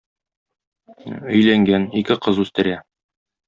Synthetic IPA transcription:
ɵ̆jlæŋɡænikɘqɤzʉst̪ɘ̆ɾæ

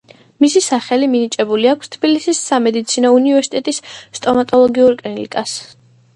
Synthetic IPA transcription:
misisaχɛliminit͡ʃʼɛbuliakʰst̪ʰb̥ilisisːamɛd̪it̪sʰinɔunivɛɾsi̥t̪ʼɛt̪ʼisːt̪ʼɔmat̪ʼɔlˠɔɡiuɾkʼlinḭkʼas

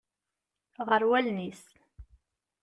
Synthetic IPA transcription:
ʁəɾwælnis

